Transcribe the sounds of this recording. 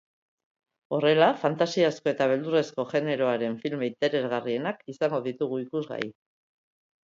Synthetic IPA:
o̞re̞lafant̪asiasko̞e̞t̪aβe̞ld̪ure̞sko̞ʝe̞ne̞ɾo̞aɾe̞ɱfilme̞it̪e̞ɾe̞zɣarie̞nakisaŋɡo̞ðit̪uɣ̞uikuzɣa̰i

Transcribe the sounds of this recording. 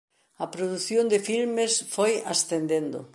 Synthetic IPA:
ɐpɾoðuθjond̪ɪfilmesfojasθend̪end̪ʊ̰

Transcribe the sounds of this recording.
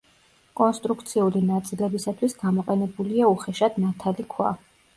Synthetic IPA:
kʼɔnst̪ʼɾukʰt̪sʰiulinat̪sʼilɛbisat̪ʰwisɡamɔqʼɛnɛbuliauχɛʃad̪nat̪ʰalikʰwa̰

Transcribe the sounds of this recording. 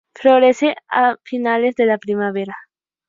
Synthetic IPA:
fɾoɣɾesea̰finalezðelapɾimaβ̞eɾa

